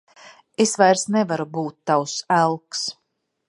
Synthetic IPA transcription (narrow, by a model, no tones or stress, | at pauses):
esvajɾsnɛvaɾubuːt̪ːawsælˠks